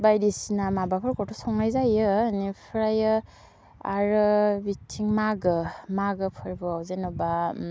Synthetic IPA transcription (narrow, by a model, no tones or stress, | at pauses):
bajdisinamabapʰɯɾkʰɔtʰɔsɔŋnajzajɯːnipʰɯɾajɯ | a̰ɾɯbitʰiŋmaɡɯmaɡɯpʰɯɾbɯawzenɔba